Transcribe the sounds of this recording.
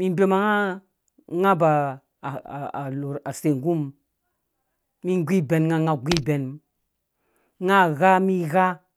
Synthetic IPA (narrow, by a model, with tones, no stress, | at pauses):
mi˦m˦be˨ma˨ŋa˦ | ŋa˦ba˨ | a˨lo˨ɾa˨se˨ŋ˨ɡu˦m | mi˦ɡʷi˦be˨nŋa˦ŋa˨ɡʷi˦be˨n | ŋa˦˨ɣa˦mi˦ɣa˦